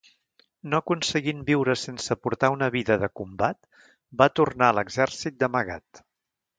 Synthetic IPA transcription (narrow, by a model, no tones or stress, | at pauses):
noəkunsəɣimbiwɾəsensəpuɾt̪aunəβiðəðəkumbat̪ | bat̪urnaələɡzɛrsit̪̚d̪əməɣa̰t̪